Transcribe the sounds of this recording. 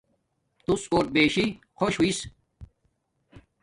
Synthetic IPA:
t̪usoːʈ̪̚beːɕi | kʰoɕɦuiːs

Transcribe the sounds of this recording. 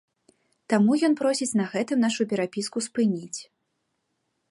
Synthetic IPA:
t̪amujɔnpɾɔsʲit͡sʲnɐɣɛt̪ɨmnaʂupʲɛɾapʲiskuspɨnʲit͡sʲ

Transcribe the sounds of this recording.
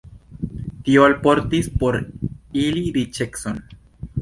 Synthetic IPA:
t̪ioalpoɾt̪ispoɾiliɾit͡ʃekson

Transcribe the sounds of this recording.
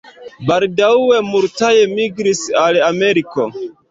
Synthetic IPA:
baldawe̞muɾtaje̞miɡɾisalame̞ɾiko̞

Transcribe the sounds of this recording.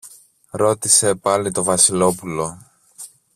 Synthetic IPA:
ɾo̞t̪ise̞pɐlit̪o̞vɐsilo̞pulo̞

